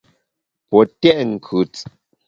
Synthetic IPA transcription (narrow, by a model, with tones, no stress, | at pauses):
pɔ˨tɛ˦˨ʔŋ̩˨kʰʉ˨t͡s